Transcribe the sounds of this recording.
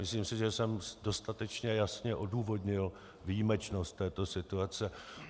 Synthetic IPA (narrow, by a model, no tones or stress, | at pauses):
mɪsliːmsɪʒɛsɛmdo̞st̪at̪ɛt͡ʃɲɛjasɲɛʔo̞duːvo̞dɲɪl | vijimɛt͡ʃno̞st̪ːɛːt̪o̞sɪt̪uat͡sɛ